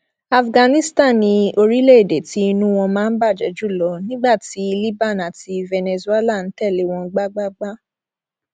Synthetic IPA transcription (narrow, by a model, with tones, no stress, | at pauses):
a˨fɡã˧nĩ˦stã˦˨nĩ˧o˧ɾi˦le˦e˦˨de˨ti˦i˧nũ˦w̃ɔ̃˧mãː˨˦˧n̩˦ba˦˨d͡ʒɛ̰˨˦d͡ʒu˦˨lɔ˨˧nĩ˦ɡ͡ba˦˨ti˨˦˧li˦ba˦˨na˨ti˧vɛ˧ne˧zu˧˦ɛ˦la˦˨n̩˨˦tɛ˦˨le˨˦w̃ɔ̃˧˦ɡ͡ba˦ɡ͡ba˦ɡ͡ba˦